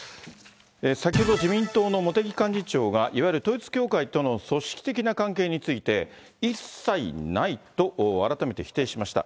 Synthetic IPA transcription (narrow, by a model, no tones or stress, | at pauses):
esakʲiho̞d̪o̞d͡ʑʑimʲĩnt̪o̞ːno̞mo̞t̪e̞ɡʲikãɲ̟d͡ʑit͡ɕo̞ːɡaʔiβajiɾɯ̟t̪o̞it͡sɨ̥kʲo̞ːkait̪o̞no̞so̞ɕi̥kʲi̥t̪e̞kʲinakãŋke̞ːɲ̟it͡sɨit̪e̞ | isːainait̪o̞ʔoaɾat̪ame̞t̪e̞çi̥t̪e̞ːɕimaɕi̥t̪a̰